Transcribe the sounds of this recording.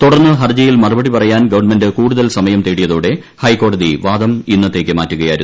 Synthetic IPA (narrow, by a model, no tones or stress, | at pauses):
t̪uɽɐrnːɨɦɐrd͡ʑɐjilmɐrɐbɐɽipɐrɐjaːnɡɐʋɐrnmendɨkuːɽuðɐlsɐmɐjɐmt̪eːɽijɐðuːɽe̞ | hɐjkːo̞ːɽɐðiʋaːd̪ɐminːɐt̪ːe̞ːkʲːɨmaːtːuɣɐjaːjɾu